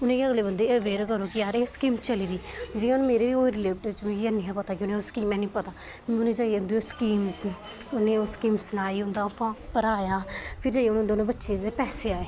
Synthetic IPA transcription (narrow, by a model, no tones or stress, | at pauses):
ʊnẽkiəɡleːbənd̪eːəʋeːɾkəɾoːkɪjaːɾeːskiːmt͡ʃəliːd̪iːd͡ʒɪːãnũːmeːɾeːd̪iːoːɾɪleːʈət͡ʃmĩːkianijãːpət̪aːkɪʊnẽːoːskiːmɛ̃ːnĩːpət̪aː | ʊnẽːd͡ʒaːiʊnd̪eoskiːm | ʊnẽːoːskiːmsənaːiːʊnd̪aːpʰãːpəɾaːjaːpʰɪɾd͡ʒaːjʊnãnd̪onẽːbətːʃeːd̪eːpɛːseːaːeː